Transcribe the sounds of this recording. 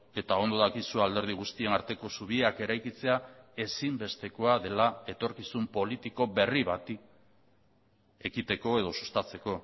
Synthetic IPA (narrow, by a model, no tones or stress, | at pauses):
e̞t̪ao̞nd̪oðakisuald̪e̞ɾð̞iɣ̞ust̪ie̞naɾt̪e̞ko̞suβ̞ieake̞ɾajkit͡se̞ae̞simbe̞st̪e̞ko̞aðe̞lae̞t̪o̞ɾkisumpo̞lit̪iko̞βe̞riβat̪i | e̞kit̪e̞ko̞e̞ð̞o̞su̥st̪at͡se̞ko̞